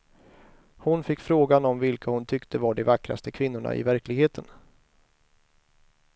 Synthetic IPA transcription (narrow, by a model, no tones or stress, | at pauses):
hʊnfɪkːfɾoːɡanɔmvɪlkʰahʊnt̪ʰʏkt̪ʰəvaɖɛvakɾa̰st̪əkʰvɪnːʊɳa̰ʔɪ̰væɾklɪɡheːt̪ʰən